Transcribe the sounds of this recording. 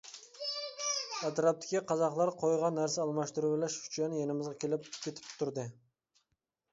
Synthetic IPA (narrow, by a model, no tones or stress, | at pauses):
æt̪ɾɑp̚t̪ʰɪ̥kʲiqʰɑzɑqlˠɑɾqʰojʁɑnːæɾsɛɑlˠmɑʃt̪uɾublæʃy̥t͡ʃʰænɪjenɪmɪzʁɑkʲʰelɪpkʲʰet̪ʰɪ̥pt̪ʰʊɾd̪ɨ